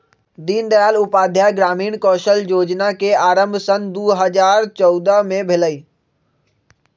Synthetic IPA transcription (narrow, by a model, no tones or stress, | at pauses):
d̪iːnd̪əjaːlʊpaːd̪ʱjaɡɾaːmiːɳkɔːʃəljoːd͡ʒnakeaːɾə̃mbʱsənd̪uːɦəzaːɾt͡ʃɔʊd̪əmẽbʱɪləiː